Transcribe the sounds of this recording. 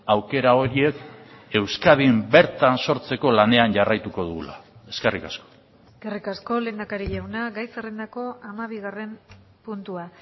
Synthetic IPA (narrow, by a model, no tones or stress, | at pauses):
awke̞ɾao̞ɾie̞k | e̞wskað̞imbe̞ɾt̪anso̞ɾt͡se̞ko̞lane̞anɟarajt̪uko̞ðuɣulae̞ske̞rikasko̥ | eskerikasko̞le̞ːnd̪akaɾiʎawnaɡajserend̪ako̞amaβ̞iɣare̞m | punt̪ua